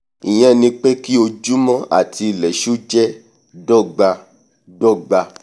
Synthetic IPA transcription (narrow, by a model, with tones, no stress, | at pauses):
ĩ˨j̃ɛ̃˦nĩ˧k͡pe˦ki˦o˧d͡ʒu˦mɔ̃˦ʔa̰˦˨ti˧˨lɛ˨ʃu˦d͡ʒɛ˦ | dɔ˦˨ɡ͡ba˧ | dɔ˦˨ɡ͡ba˧